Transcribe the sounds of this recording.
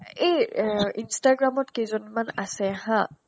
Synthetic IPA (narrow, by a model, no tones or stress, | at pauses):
ejinstaɡɹamɔtkezɔnmanasɛɦã